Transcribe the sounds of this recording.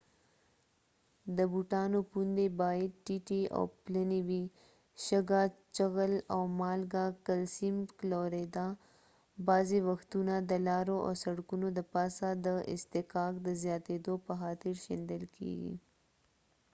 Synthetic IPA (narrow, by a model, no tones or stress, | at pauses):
d̪əbuʈɑnopund̪ebɑjɪd̪̚ʈiʈia̰wpləniwi | ʃəɡat͡ʃəɣəlawmɑlɡakalsimkloɾed̪a | bɑzewaxt̪unad̪əlɑɾoʔa̰saɽkunod̪əpɑsad̪əʔɪ̰st̪ɪkɑkd̪əzjɑt̪ed̪opəxɑt̪ɪɾʃend̪əlkʰḛɡḭ